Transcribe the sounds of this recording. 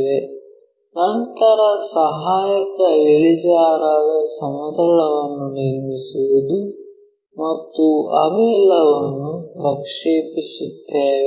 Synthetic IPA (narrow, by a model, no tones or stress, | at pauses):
ʋe | nɐnt̪ɐɾɐsɐɦaːjɐkɐiɭid͡ʒaːɾaːd̪ɐsɐmɐd̪ɐɭɐʋɐnːuniɾmisuʋud̪u | mɐt̪ːuɐ̰bɛlːɐʋɐnːuɾɐkʂeːpisut̪ːeːʋ